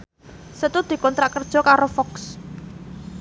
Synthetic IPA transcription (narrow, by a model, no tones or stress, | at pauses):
sət̪ud̪̥i̤kɔnt̪ɾaʔkərd̥ʒ̥ɔ̤kaɾofɔks